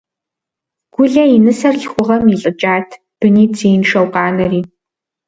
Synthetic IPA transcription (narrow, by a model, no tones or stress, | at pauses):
ɡ̥ʷʊɮɐinɨsɐrɬxʷʊʁɐmiɬʼɨt͡ʃʼaːtʰ | b̥ɨniːt͡sʰijnʂɐwqɑːnɐriː